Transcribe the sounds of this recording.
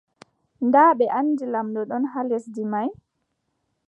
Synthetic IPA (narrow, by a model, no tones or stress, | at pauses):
ndaːɓɛʔanːdilamɗɔɗɔnɦalesdimaj